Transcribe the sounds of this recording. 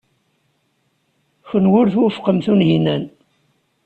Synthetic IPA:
çənwʊɾθwʊfqəmθunɦinæn

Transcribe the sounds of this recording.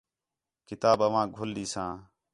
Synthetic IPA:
kɪt̪aːbəʋãːɡʱʊlɗiːsãː

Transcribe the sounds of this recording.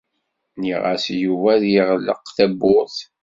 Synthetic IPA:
niʁa̰sjuvæðjiʁlːə̰qθæbːʊɾθ

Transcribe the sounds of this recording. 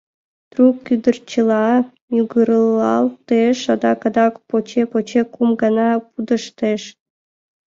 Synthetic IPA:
t̪rukːyd̪ərt͡ɕəlˠɑ | juɡəɾəlˠːɑ̰lˠt̪eʃɑd̪ɑkɑd̪ɑkpot͡ɕepot͡ɕekumɡɑnɑpud̪ə̆ʃt̪eʃ

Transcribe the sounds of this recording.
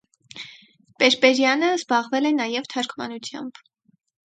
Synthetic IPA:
pɛɾpɛɾjɑnəzbɑʁvɛlɛnɑjɛvt̪ʰɑɾkʰmɑ̰nut͡sʰjɑ̰mb̥

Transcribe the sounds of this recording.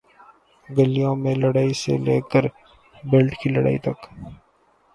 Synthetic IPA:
ɡəlijõmẽlɐɽaːisḛleːkəɾ | belʈʰkilɐɽa̰ːit̪ɐk

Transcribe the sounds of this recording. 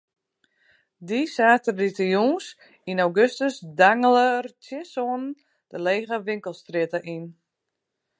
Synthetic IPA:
disaːtərditəjuːns | inawɡøstəsdaŋələrtjɪsoənn | d̥əleːɣəʋɪŋkəlˠstrɪtəʔin

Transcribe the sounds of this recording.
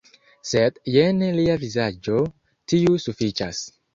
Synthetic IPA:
sedjeneliavizad͡ʒo̞ | tiusufit͡ʃas

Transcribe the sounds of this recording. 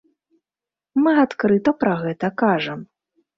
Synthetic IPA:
mɨat̪kɾɨt̪ɐpɾɐɣɛt̪ɐkaʐɐm

